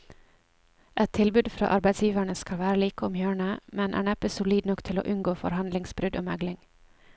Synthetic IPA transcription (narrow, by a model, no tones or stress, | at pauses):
ʔɛt̪ʰɪlbʉːd̪fɾɑ̰ːʔɑɾbæɪd̪sjiːʋæɳəskɑlʋæːɾəliːkəɔmjøːɳəmɛnʔæ̰ːɳɛpəsʊliːd̪nɔkt̪ʰɪlo̰ːʔʉnɡoːfɔ̰ɾhɑnd̪lɪŋsbɾʏd̪o̰ːmæɡlɪŋ